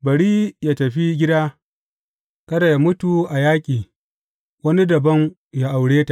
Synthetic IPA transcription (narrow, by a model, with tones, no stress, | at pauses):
bɐ˨ɽiː˦jaː˦tɐ˨ɸi˦ɡʲɪ˦daː˦ | kɐ˦da˨ja˨mʊ˦tu˨ʔa˨jaː˦kʲʼiː˨ | wɐ˦ni˦dɐ˨bɐ˦ŋ | ja˦ʔa˨wɽeː˦ta˨ʔ